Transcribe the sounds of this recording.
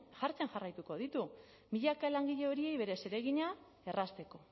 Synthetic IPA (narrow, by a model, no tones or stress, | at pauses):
ʝaɾt͡se̞nʝarajt̪uko̞ðit̪u | miʎakalaŋɡiʎe̞o̞ɾie̞jβe̞ɾe̞se̞ɾe̞ɣ̞iɲa | e̞rast̪e̞ko̞